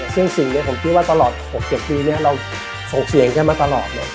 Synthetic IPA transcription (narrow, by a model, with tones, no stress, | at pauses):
sʰɯ˥˩əŋsi˨˩ŋni˦˥ɐpʰo˩˦mkʰi˥wa˥˩t̪a˧lɔː˨˩t̪̚ho˨˩k̚t͡ɕe˨˩t̪̚pːiː˧ni˦˥ɐɾa˧w | so˨˩ŋsi˨˩˦ŋkʰaː˥˩maː˧t̪a˧lɔː˨˩t̪̚nɔ˦˥